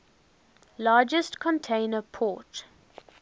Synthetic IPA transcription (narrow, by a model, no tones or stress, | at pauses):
lɑːd͡ʒəstkʰɔ̃ntʰẽɪnəpʰɔːˑt